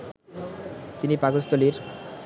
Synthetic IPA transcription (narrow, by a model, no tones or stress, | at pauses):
t̪inipaɡʌst̪oliɾ